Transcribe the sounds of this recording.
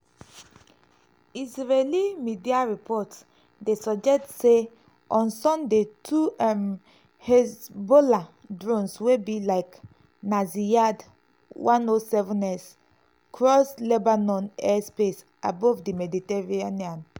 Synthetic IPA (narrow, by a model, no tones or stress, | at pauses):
izɹelimidiaɹipʰɔt | desɔd͡ʒɛk̚tse | ʔɔ̃nsɔ̃ndetʰuɛm | hɛzboladɹõnswebilaɪk | nazijad | wãnosɛvɔ̃nɛs | kʰɹɔslebanɔ̃nɛspes | abɔvdimɛditɛɹianiãn